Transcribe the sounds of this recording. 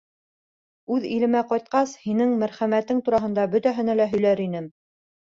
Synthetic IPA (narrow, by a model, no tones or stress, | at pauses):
ʉðilɘ̆mæqɑjt̪̚qɑshinɘŋmæɾχæmæt̪ɘŋt̪uɾɑɦɤ̆nd̪ɑbɵ̆t̪æɦɘ̆nælæɦɵ̆jlæɾinɘm